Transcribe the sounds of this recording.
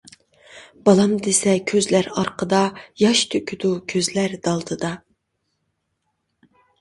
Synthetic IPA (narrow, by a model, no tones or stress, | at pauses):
b̥ɑlˠɑmd̪esɛkʲʰøzlæɾɑɾqəd̪ɑjɑʃt̪ʰøkʲʰyd̪ukʲʰøzlæɾd̪̥ɑlˠd̪ʰɨd̪ɑ